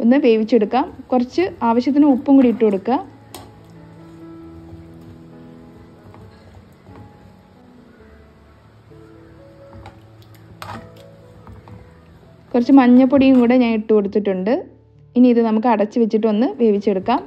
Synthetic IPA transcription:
o̞nːɨʋe̞ːʋit͡ɕːeɽukːaːmkurɐt͡ɕːɨaːʋɐɕjɐt̪̬ːinɨupːuŋkuɽiʈːɨkoɽukːaː | kurɐt͡ɕːɨmɐɲːɐpːoɽijuŋkuːɽeɲaːniʈːukoɽut̪ːiʈːuɳɖɨ | inːiiðɨnɐmukːɨɐɽɐt͡ɕːɨʋet͡ɕːiʈ̬ːɨo̞nːɨʋe̞ːʋit͡ɕːe̞ɽukːaːm

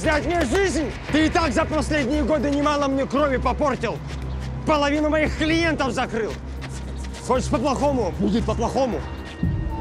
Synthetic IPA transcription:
zʲnʲatʲmʲnʲeʐɨzʲnʲ | t̪ɨɪt̪akzəpɐsʲlʲedʲnʲɪjəɡo̞d̪ɨnʲɪmalˠəmnʲekɾo̞vʲɪpɐpo̞rtʲɪlˠ | pəlˠɐvʲinʊmɐjixklʲɪje̞nt̪əfzɐkɾɨlˠ | xot͡ʃɪ̥ʂpəplˠɐxo̞mʊbudʲɪt̪̚pəplˠɐxo̞mʊ̰

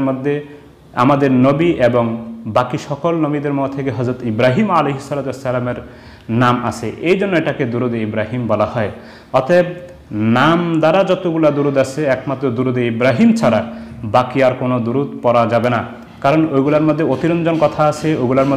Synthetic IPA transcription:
mod̪ʱːe | a̰mad̪eɾnobiʔeboŋbakiʃɔkolnobid̪eɾmɔt̪ʰekeɦɔzɾot̪ibɾaɦimalejɦisɔlat̪uesːalameɾ | nama̰sʰeʔejd͡ʒonːoeʈaked̪uɾud̪eibɾaɦimbɔlahɔe | ɔt̪eeb̚ | namd̪aɾad͡ʒɔt̪oɡulad̪uɾud̪asʰeɛkmat̪ːɾod̪uɾud̪eibɾaɦimt͡ʃʰaɾabakiaɾkonod̪uɾut̪̚pɔɾad͡ʒabena | kaɾɔnojɡulaɾmod̪ʱːeot̪iɾɔnd͡ʒɔnkɔt̪ʰaasʰeojɡulaɾmo

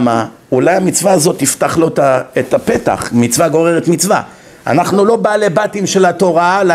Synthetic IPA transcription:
ma | ulajamit͡svaːzo̞t̪ift̪aχlo̞taet̪ape̞t̪a̰χmit͡svaɡo̞ʁeʁet̪mit͡sva̰ | a̰naχnulo̞balebat̪imʃe̞lat̪o̞ʁal

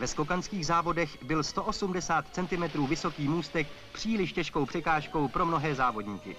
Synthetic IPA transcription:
vɛsko̞kanskiːɣzaːvo̞dɛxbɪlst̪o̞ʔo̞sumdɛsaːt̪t͡sɛnt̪ɪmɛt̪ɾuːvɪso̞kiːmuːst̪ɛk̚ | pr̝̥iːlɪʃcɛʃkowpr̝̥ɛkaːʃko̞wpɾo̞mno̞ɦɛːzaːvo̞dɲiːkɪ̰

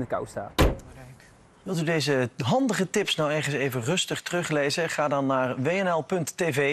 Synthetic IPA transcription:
nəka̰wsta̰ː | ʋɪlˠtydejzəɦɑndəχətɪpsnawɛɹχənsejvənrɵstəχtərɵχlejzəχaːdɑnːaːɹʋejɛnɛlˠpɵntːeve

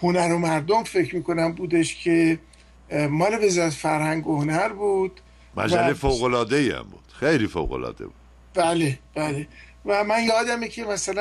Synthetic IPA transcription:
honæɾomæɾd̪omfe̞cʰɾmiːko̞næmbuːd̪e̞ʃcʰe | mɒːleve̞zɒːɾæt̪ʰe̥fæɾhæŋɡohonæɾbuːd̪̥ | mæ̰d͡ʒælejfowɣolɒːd̪eiæ̰mbuːd̪̥xejliːfo̰wɣo̞̰lɒ̰ːd̪̥ḛbu̥d̪ | b̥æleb̥æːle | væmænjɒːd̪æmecʰe̞mæsælæ

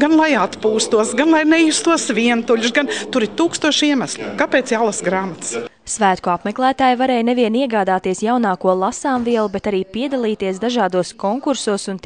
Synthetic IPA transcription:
ɡanlˠajat̪puːst̪uɔsɡanlˠajnɛiːst̪uɔsviɛnt̪uʎʲus̬ɡant̪uɾit̪uːkst̪uɔʃiɛmæslʲukapɛːt̪sjaːlˠasɡɾaːmat̪s | sʋæːt̪kuapmɛklˠæːt̪aːjvaɾeːjneviɛniɛɡaːd̪aːt̪iɛsjawnɑːkuɔlˠasaːmviɛlˠubet̪aɾiːpiɛd̪alˠiːt̪iɛsd̪aʒaːd̪uɔskoŋkuɾsuːsunt̪

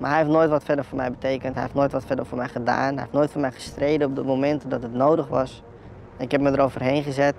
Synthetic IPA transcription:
ma̰ːɹɦɛjeftnoːjtʋɑtfɛdəɹvʊːɹmɛ̰jbətejkəntɦɛjheftnoːjtʋɑtfɛdəɹfʊːɹmɛjχəda̰ːnɦɛjeftnoːjtfʊːɹmɛjχə̥strejdənɔp̚dəmowmɛntədɑtɦətnowdəχʋɑs | ɛnɪkɦɛp̚mədəɾowvərɦejnχəzɛt

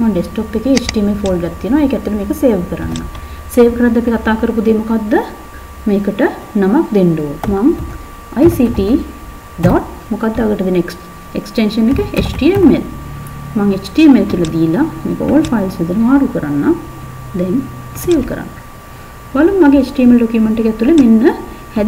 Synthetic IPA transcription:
maŋɖesʈoːpːekeet͡ʃʈiemefoːlɖɡɐt̪ːinoeːkɛt̪ːɐʈɐmeːkɐseːʋkɐɾa̰nːa̰ | seːʋkɐɾad̪ɐt̪ikɐt̪aːkɐɾɐp̬ud̪emukaːd̪ːɐ | meːkɐʈɐnɐmɐkd̪eɳɖumaːŋ | ɐjsiːʈiː | d̪aːʈ̚ | mukaːd̪ːɐɐɡɐʈːɐd̪inɐk | ḛksʈenʃənːekəḛt͡ʃʈiemːel | maŋet͡ʃʈiːemelkiəlɐd̪ijilamḛːkə̰o̰ːlfʰajlsʋid̪ənəmaːɾukəɾanːa | d̪ɛŋ | seːʋkəɾa̰nːa | balumːaɡeːt͡ʃʈiemelɖokjumeɳʈekɛt̪ːulemenːəhɛ

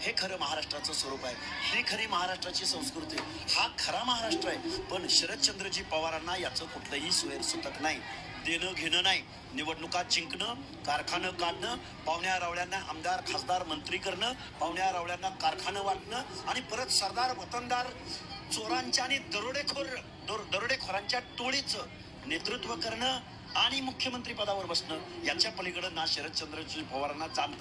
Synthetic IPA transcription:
hekʰəɾəːməɦaɾaʂʈɾat͡səːsʋəɾupaɦeɦekʰəɾiːməɦaɾaʂʈɾat͡ɕiːsə̃w̃skɾut̪e | hakʰəɾaməɦaɾaʂʈɾaepəɳɕəɾət̪t͡ɕənd̪ɾəd͡ʑiːpəʋaɾanːajat͡səːkuʈʰləɦiːsuʋeɾsot̪ət̪naɦj | d̪enəɡʱeɽəːnai | niʋəɽnukat͡ɕiŋkɳə | kaɾkʰanəkaɽɳəː | paʋɳjaɾaʋɭjanːaəmd̪aɾkʰasd̪aɾmənt̪ɾiːkəɾɳəː | paʋɳjaɾaʋɭjanːakaɾkʰanəʋaʈɳəːaɽ̃ipəɾət̪səɾd̪aɾʋət̪ənd̪aɾt͡soɾaɲt͡ɕaːɽ̃id̪əɾoɽekʰoɾ | d̪oɾd̪əɾoɽekʰoɾaɲt͡ɕjaʈoɭit͡sə | net̪ɾut̪ʋəkəɾɳə | aɽ̃imukʰjəmənt̪ɾiːpəd̪aʋəɾbəsɳəjat͡ɕjapəliɡəɽənːaɕeɾət̪̚t͡ɕənd̪ɾət͡ɕupəʋɾanːat͡sant̪a

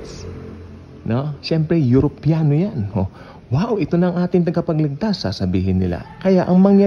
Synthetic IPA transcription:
noʃɛmpɾɛjʊɾopjaːnojano | waːʔoʔɪt̪onɐːŋʔaːt̪ɪŋt̪ɐɡɐpɐɡlɪɡ̚t̪asːa̰sɐbḭːɦɪnːɪ̰la̰kɐjaʔɐŋmɐŋja

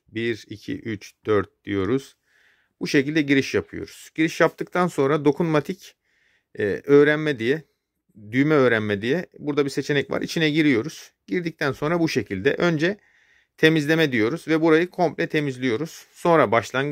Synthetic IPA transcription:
biɾicʰḭʔyt͡ʃd̪̥øɾt̪̚d̪̥ḭjo̞ɾuz̥ | buʃe̞cilʲd̪ɛɟiɾiʃjapʰɯjo̞̰ɾuz̥ɟ̥iɾiʃjap̚t̪ʰɯk̚t̪ʰanso̞nɾad̪o̞kʰunmat̪ʰicː | øːɾænmɛd̪ijɛ | d̪yjmɛø̞ːɾænmɛd̪ijɛbuɾd̪abise̞t͡ʃʰe̞nɛcva̰ɾit͡ʃʰinɛɟiɾijo̞ɾuz̥ɟ̥iɾd̪ic̚t̪ʰænso̞nɾabuʃe̞cʰilʲd̪ɛ̰ʔø̞nd͡ʒɛ | t̪ʰe̞mizlʲe̞mɛd̪ijo̞ɾuzvɛbuɾajɯkʰo̞mplʲɛt̪ʰe̞mizlʲijo̞ɾuz̥so̞nɾabaʃlˠanɡɯ

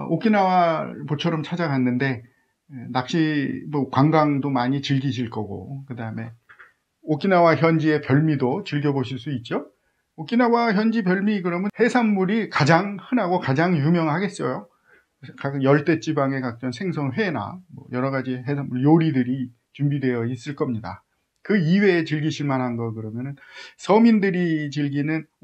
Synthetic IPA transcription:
ok͈inawapot͡ɕʰʌɾʌmt͡ɕʰad͡ʑaɡɦanːɯnde̞ | nak̚ɕ͈imʌkwaŋɡaŋdomaɲit͡ɕɯɭɡiɕʰiɭk͈ʌɡo̰kɯdaɯme̞ | ok͈inawaçjʌnd͡ʑie̞pjʌɭmidot͡ɕɯɭɡjʌboɕʰiɭs͈uit̚t͡ɕ͈o | ok͈inawaçjʌnd͡ʑipjʌɭmikɯɾʌmjɯnhe̞sʰanmuɾikad͡ʑaŋhɯnaɡokad͡ʑaŋjumjʌŋɭhaɡe̞s͈ʌjo | kajʌɭt͈e̞t͡ɕ͈ibaŋe̞kak̚t͡ɕ͈ʌnsʰe̞ŋsʰʌŋɸwe̞na̰mwʌ̰jʌɾʌɣad͡ʑiɦesʰanmːuɭjoɾidɯɾi | t͡ɕumbidwe̞jʌis͈ɯɭk͈ʌmɲida̰ | kɯiwe̞ːt͡ɕɯɭɡiɕʰiɭmanɦanɡʌkɯɾʌmjʌnɯnsʰʌmindɯɾit͡ɕɯɭɡinɯn

